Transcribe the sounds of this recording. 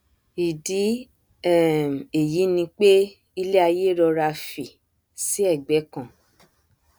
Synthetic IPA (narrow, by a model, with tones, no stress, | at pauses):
i˨di˨˦ | ɛ˦˨m˨e˨ji˨˦nĩ˧k͡pe˦ | i˧le˦a˧je˦ɾɔ˧ɾa˧fi˨ | si˦ɛ˦˨ɡ͡bɛ˨˦kã˦˨